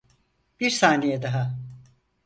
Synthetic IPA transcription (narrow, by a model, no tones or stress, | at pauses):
b̥iɾsaːnejɛd̪aɦa